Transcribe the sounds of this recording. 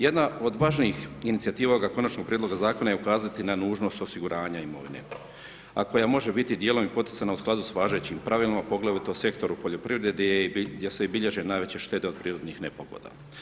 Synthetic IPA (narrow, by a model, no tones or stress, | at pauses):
je̞d̪nao̞d̪ʋaːʒniːxinit̪siat̪iːʋaoɡako̞nat͡ʃno̞ɡ̚pɾied̪loɡazaːko̞najeukaːzat̪inanuːʒno̞st̪o̞siɡuɾʔaːɲaimo̞̰ʋinḛ | ako̞jamo̞ʒebit̪id̪jeːlo̞mipo̞t̪i̥t̪sanausklˠaːd̪usʋaːʒet͡ɕimpɾaʋiːlˠimapo̞ɡlˠaʋit̪ose̞kt̪o̞ɾupo̞ʎo̞pɾiʋɾeded̪eejesebiʎeʒenaːjʋe̞t͡ɕe̞ʃt̪e̞t̪e̞o̞d̪̚pɾiːɾo̞d̪nixne̞poɡo̰d̪a̰ː